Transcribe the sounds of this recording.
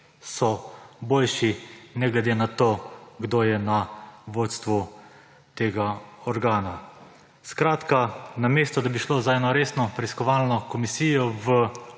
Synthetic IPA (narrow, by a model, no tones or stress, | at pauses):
sɔboːlʃinɛɡlɛd̪eːnat̪oːɡd̪oːjɛnaʋoːt̪st̪ʋu | t̪eːɡaɔɾɡaːna | skɾaːt̪kanameːst̪ɔd̪abiʃloːzaɛnɔɾeːsnɔpɾɛiskɔʋaːlnɔkɔmisiːjɔʋə